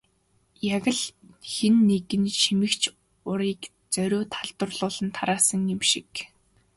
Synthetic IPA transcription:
jaɣə̆ɮ | xenːeɣɘ̆nʃimɘ̆kt͡ɕʰ | ʊɾiːk | t͡sœɾʲʊːt̪ʰaɮt̪ə̆rɮʊːɮə̆nt̪ʰaɾaːsə̆ŋjɪmʃik

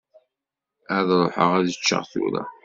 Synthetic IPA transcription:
æðɾˤoħə̰ʁæðət͡ʃːə̰ʁθṵɾə̰

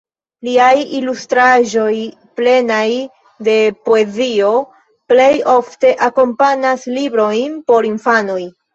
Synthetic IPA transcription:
liajilustɾaʒo̞j | ple̞naj | de̞po̞e̞zio̞ | ple̞jo̞fte̞ʔako̞mpanaslibɾo̞jnpo̞ɾinfano̞j

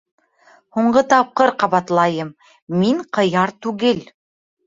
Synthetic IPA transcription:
huɴɢɤt̪ɑp̚qɤɾqɑβɑt̪lˠɑjɤm | miŋqɤ̆jɑɾt̪ʉɡɘl

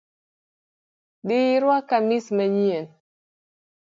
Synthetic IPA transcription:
ɗɪiɾwakamismaɲien

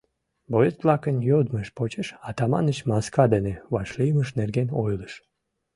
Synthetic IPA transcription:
bojeslɑkənjod̪məʃpot͡ɕeʃɑt̪ɑmɑ̰nət͡ɕmɑskɑd̪eneβɑʃliməʃnerɡeno̰jləʃ

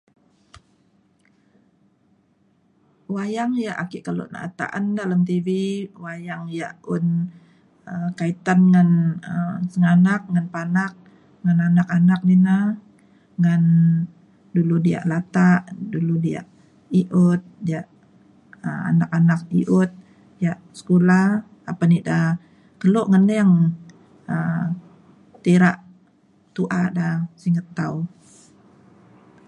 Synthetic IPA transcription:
wajaŋjaʔakiʔkalṵʔna̰t̪a̰ʔandalamt̪iviwajaŋjaʔʊn | əkait̪anŋanəsəŋanak̚ŋanpanak̚ | ŋananakanak̚nina | ŋan | duludia̰ʔlat̪aʔduludia̰ʔ | iʔʊt̪̚diaʔ | əa̰nakanak̚iʔʊt̪̚ | dijaʔsə̥kulah | apanida | k̪əloʔŋənlijaŋ | ə | t̪iɾaʔ | t̪uʔadasiŋət̪ːau

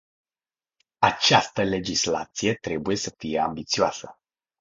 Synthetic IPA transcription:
at͡ʃast̪əle̞d͡ʒisla̰t̪sije̞t̪ɾe̞buje̞səfije̞ambit̪sioasə

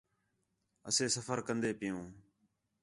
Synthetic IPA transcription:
ə̰seːsəfəɾkənd̪eːpɪjõː

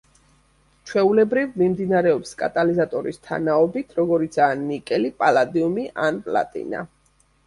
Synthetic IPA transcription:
t͡ʃʰwɛulɛbɾivmimd̪inaɾɛɔpskʼa̰t̪ʼalizat̪ʼɔɾḭst̪ʰa̰naɔbit̪ʰɾɔɡɔɾit̪sʰaːnikʼɛlipʼalˠad̪iumiʔanpʼla̰t̪ʼḭna̰

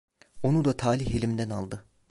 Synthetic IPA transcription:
o̞nud̪at̪ʰaːlʲihelʲimd̪ænalˠd̪ɯ

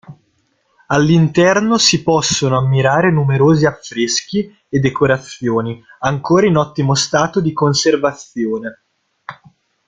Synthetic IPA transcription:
alːint̪ɛrnosipɔsːonoamːiɾaːɾenumeɾoːziafːɾesk̟i | ed̪ːekoɾat̪sːjoːniaŋkoːɾainɔt̪ːimost̪aːt̪od̪ikonservat̪sjoːne

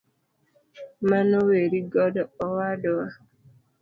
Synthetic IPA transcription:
manoweɾiɡɔdɔɔwadɔwa

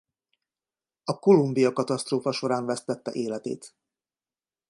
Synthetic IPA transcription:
ɒko̞lumbijɒkɒt̪ɒst̪roːfɒʃo̞ɾaːɱvɛst̪ɛt̪ːɛ̰ʔeːlɛt̪ḛːt̪

